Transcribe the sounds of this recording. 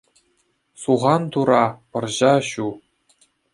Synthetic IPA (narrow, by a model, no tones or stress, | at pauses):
suʁɑnt̪uɾɑpɤ̆rʑɑɕu